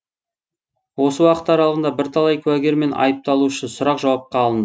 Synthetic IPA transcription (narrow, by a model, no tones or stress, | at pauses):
wo̞səwɑqə̥t̪ɑɾɑlˠəʁənd̪ɑbɪɾt̪ʰɑlˠɑjkʲʰʉwæɡʲe̞ɾme̞nɑ̰jəp̚t̪ɑlˠuʏʃɪnsʊɾɑqʒɑwɑp̚qɑːlˠənd̪ə